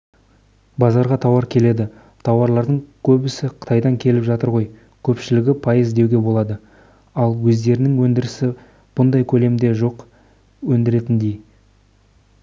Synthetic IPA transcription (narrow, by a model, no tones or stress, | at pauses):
bɑzɑɾʁɑt̪ʰɑwɑɾkʲʰe̞le̞d̪ɪ | t̪ʰɑwɑɾlˠɑɾd̪əɴkʲʰɵbɪsɪqʰə̥t̪ʰɑjd̪ɑŋkʲʰe̞lɪpʒɑt̪əɾʁo̞j | kʲʰɵpʃɪlɪɡʲɪpʰɑjəzd̪e̞wɡʲe̞bo̞lˠɑd̪ə | ɑlˠwɵzd̪e̞ɾɪnɪŋwɵnd̪ɪɾɪsɪ | b̥ʊnd̪ɑjkʲʰɵle̞md̪e̞ʒo̞q | wɵnd̪ɪɾe̞t̪ɪnd̪ej